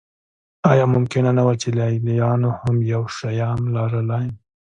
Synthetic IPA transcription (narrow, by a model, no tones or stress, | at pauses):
ɑjɑmʊmkɪnanawat͡ʃelalijɑnohamjawʃajɑmlɑɾəlɑjm